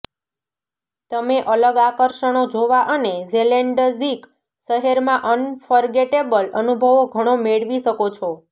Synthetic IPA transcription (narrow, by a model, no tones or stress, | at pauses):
t̪əmeʔələɡakəɾʃəɽ̃od͡ʒoʋaʔənezeleɳɖəzik | ʃəɦeɾmãʔənfəɾɡeʈebələnubʱəʋoɡʱəɽ̃omeɭʋiʃəkot͡ʃʰo